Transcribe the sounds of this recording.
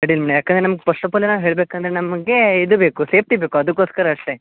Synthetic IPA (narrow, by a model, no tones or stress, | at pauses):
ɐɽilmɐɳejaːkend̪ɾenɐmɐɡepɐʂʈɐpɐlːenaːʋɦe̞ːɭbeːkɐnd̪ɐɾenɐmɐɡe̞id̪ubeːkuseːp̚t̪iːbeːkuɐd̪ukːoːskɐɾɐːʂʈe